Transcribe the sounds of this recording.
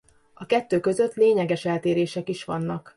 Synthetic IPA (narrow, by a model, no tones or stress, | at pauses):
ɒkɛt̪ːøːkø̞zø̞t̪ːleːɲɛɡɛʃɛlt̪eːɾeːʃɛkiʃʋɒnːɒk